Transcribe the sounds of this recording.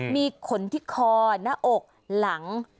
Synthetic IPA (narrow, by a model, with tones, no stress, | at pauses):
miː˧kʰo˨˦nt̪ʰiː˦˥˩kʰɔː˧na˦˧˥ʔo˨˩k̚ | la˨˩˦ŋ